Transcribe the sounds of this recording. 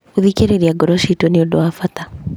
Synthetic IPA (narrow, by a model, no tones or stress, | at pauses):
uðikeɾeɾiaɡɔɾɔʃitoniɔdɔafata